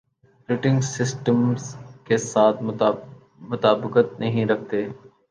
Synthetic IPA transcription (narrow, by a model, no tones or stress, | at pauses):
ɾɪʈɪ̃ŋɡsɪsʈəmzkesaːt̪ʰ | mʊt̪aːbɪkət̪nɐɦĩɾɐk̚ʰt̪eː